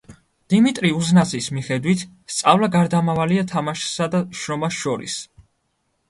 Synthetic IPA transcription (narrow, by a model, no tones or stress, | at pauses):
d̪̥imit̪ʼɾiuznat̪sʰʼismiχɛd̪wit̪ʰ | st̪sʼavlaɡaɾd̪amavaliat̪ʰamaʃsad̪aʃɾɔmasʃɔɾḭs